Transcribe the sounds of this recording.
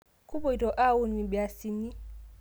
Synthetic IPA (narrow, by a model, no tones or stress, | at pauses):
kubɔidɔʔawunːibɛasinːi